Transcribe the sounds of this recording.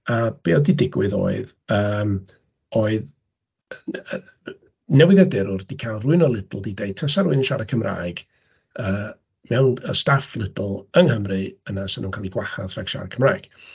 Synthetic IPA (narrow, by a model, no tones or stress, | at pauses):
ab̥eɔdidɪɡwɨðo̰ːɨð | əːm | oːɨð | nɛwɪðjadɛɾʊrd̥ikʰajlˠrʊɨnɔlˠɪdlˠdidejd̚tʰəsaɾʊɨnəʃaɾəkʰəmra̰ːjɡ̥ | əː | mɛwnə̰staflˠɪdl̩ˠəŋhəmrɨənasənuːnkʰaːlˠiɡwaha̰raɡ̥ʃa̰ɾəkʰəmra̰ːjɡ̥